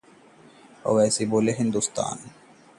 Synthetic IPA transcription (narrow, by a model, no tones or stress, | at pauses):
ɔ̰ʋɛːsiboːleɦind̪ust̪a̰ːn